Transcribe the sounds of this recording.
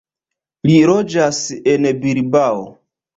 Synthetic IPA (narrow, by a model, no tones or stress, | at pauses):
liɾod͡ʒasenbiɾbao̰